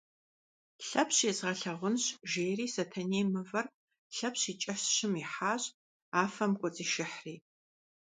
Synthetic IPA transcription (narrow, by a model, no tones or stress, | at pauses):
ɬɐpʰɕeːzʁɐɬɐʁʷʊnɕʒeːriːsɐtʰɐneːmɨvɐr | ɬɐpɕiːt͡ʃʼɐɕɕɪmiħaːɕʼ | aːfɐmkʷʼɔt͡sʼiːʃɪħriː